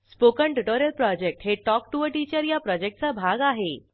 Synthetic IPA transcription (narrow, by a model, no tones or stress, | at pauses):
spokəɳʈuʈoɾjəlpɾɔd͡ʑek̚ʈɦeʈɔk̚ʈuʋəʈit͡ɕəɾjapɾɔd͡ʑek̚ʈ̚t͡sabʱaɡaɦe